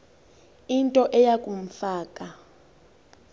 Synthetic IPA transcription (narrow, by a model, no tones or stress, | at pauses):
intʼɔʔɛjakʼum̩faːkʼa